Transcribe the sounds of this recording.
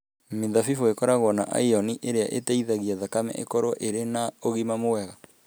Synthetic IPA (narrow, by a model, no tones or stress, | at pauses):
meðafifoekɔɾaɣwɔnaʔa̰iɔniʔeɾeaʔetaiðaɣiaðakamɛ̰ʔḛkɔɾɔʔeɾenaoɣimamowɛɣa